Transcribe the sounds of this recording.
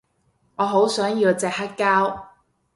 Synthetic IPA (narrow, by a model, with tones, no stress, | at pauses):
ŋɔː˨˧ɦo˨˥wsœː˨˥ŋji˧wt͡sɛ˨k̚hɐ˥kːaː˥w